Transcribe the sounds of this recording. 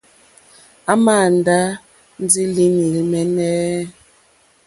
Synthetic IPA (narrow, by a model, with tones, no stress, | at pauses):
a˦ma˦˨n˨da˦ | n̩˦d͡zi˦li˦ni˨lmɛ˦nɛː˦